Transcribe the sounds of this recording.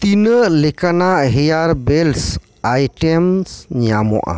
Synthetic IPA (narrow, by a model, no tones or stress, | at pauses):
t̪inəlekanaɦɛjaɾbels | ajʈemsɲamo̰ʔa̰